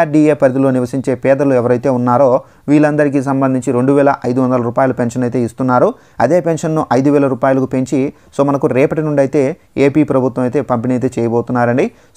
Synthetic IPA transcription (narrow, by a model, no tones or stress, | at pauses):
aːɖieːpɐɾd̪ilo̞ːniʋɐsiɲt͡ʃe̞ːpɛːd̪ɐluɛʋɐɾɐjt̪e̞ːunːaːɾo̞ː | ʋiːɭɐnd̪ɐɾik̬iːs̬ɐmbɐnd̪ʱiɲt͡ʃiɾe̞ɳɖuʋɛːlɐʔɐjd̪uʋɐnd̪ɐlɐɾuːpaːjɐlupenʂɐnɐjt̪e̞ːist̪unːaːɾu | ɐd̪e̞ːpe̞nʂɐnːuʔɐjd̪uʋɛːlɐɾuːpaːjulɐkupe̞ɲt͡ʃi | so̞ːmɐnɐkuɾɛːpɐʈinuɳɖɐjt̪e̞ː | eːpiːpɾɐbʱut̪wʋɐmɐjt̪e̞ːpɐmpiniɐjt̪e̞ːt͡ʃɛːjɐboːt̪unːaːɾɐɳɖi